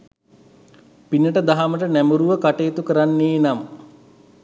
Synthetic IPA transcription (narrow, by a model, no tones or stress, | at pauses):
pinəʈəd̪aɦaməʈənæmuɾuʋəkaʈeːt̪ukəɾanːeːnam